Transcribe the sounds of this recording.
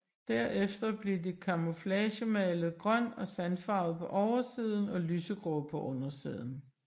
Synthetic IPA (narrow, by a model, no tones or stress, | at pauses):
d̥æɐ̰ʔefd̥ɐb̥liɐdikʰɑ̈moflɛɕəmɛːləɡ̥ʁɶn̰ɒ̽sænfɑ̈ʊð̞̩ˠpʰɒ̽ʔɒʊɐsiːð̞ˠn̩ɒ̽lyːsəɡ̥ʁɔpʰɒ̽ʔɔ̽nɐsḭːð̞ˠn̩